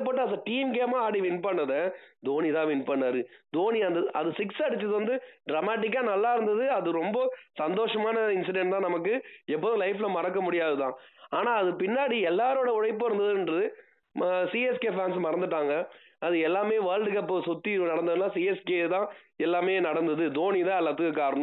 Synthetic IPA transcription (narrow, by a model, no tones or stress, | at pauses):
pːɐʈːaːðɐʈiːɛmkeːmãːaːɽiʋɪnpɐɳːɐðɐd̪oːnit̪ãːʋɪnpɐɳːaːɾɯd̪oːniɐnd̪ɐɐ̰ðɯsɪksɐɽɯt͡ʃːɐðɯʋɐnd̪ɯɖɾɐmaːʈ̬ːɪk̬ːaːnɐlːaːɪɾɯnd̪ɐðɯɐðɯɾɔmbɐsɐnd̪oːʂɐmaːnɐɪnsɪɖɛɳʈt̪ãːnɐmɐkːɯɛpːɐːðʊ̃lɐɪflɐmɐɾɐkːɐmʊɽɪjaːðɯt̪ãːaːnaːɐðɯpɪnːaːɽiɛlːaːɾoːɽɐʊɻɐɪpːɯɪɾɯnd̪ɐðɯndrɐðɯ | msiɛskeːfaːnsmɐɾɐnd̪ɯʈːaːŋɡɐ | ɐðɯɛlːaːmeːʋaːlɖɯkɐpːsɔt̪ːinɐɽɐnd̪ɐðɯlaːsiːɛskeːt̪ãːɛlːaːmeːnɐɽɐnd̪ɐðɯd̪oːnit̪ãːɛlːɐt̪ːɯkːɐkːaːɾɐnʊ̃m